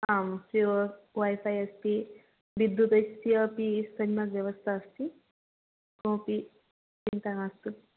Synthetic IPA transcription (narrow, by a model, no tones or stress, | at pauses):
amsɾiʋə | ʋajfajəspi | ʋid̪ːut̪əst̪iəpisəɲmakʋjəʋəst̪ʰaːst̪i | kopi | int̪aŋast̪u